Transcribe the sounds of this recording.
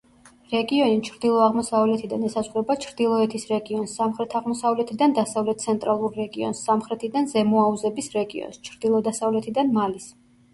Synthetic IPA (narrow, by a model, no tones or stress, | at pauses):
ɾɛɡiɔnit͡ʃʰɾd̪ilˠɔaʁmɔsavlɛt̪ʰid̪anɛsasχuɾɛbat͡ʃʰɾd̪ilˠɔɛt̪ʰisɾɛɡiɔnsːamχɾɛt̪ʰaʁmɔsavlɛt̪ʰid̪and̪asavlɛt̪̚t̪sʰɛnt̪ʼɾalˠuɾːɛɡiɔ̰nsːamχɾɛt̪ʰid̪anzɛmɔauzɛbisɾɛɡḭɔ̰nst͡ʃʰɾd̪̥ilˠɔd̪asavlɛt̪ʰid̪anmalis